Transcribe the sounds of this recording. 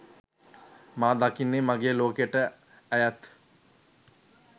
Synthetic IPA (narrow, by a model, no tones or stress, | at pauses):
maːd̪akinːemaɡeːloːkejəʈə | æjæt̪